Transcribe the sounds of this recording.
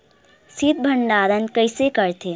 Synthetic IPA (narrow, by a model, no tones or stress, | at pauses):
sit̪̚bʱəɳɖaːɾənkəjsekəɾt̪ʰe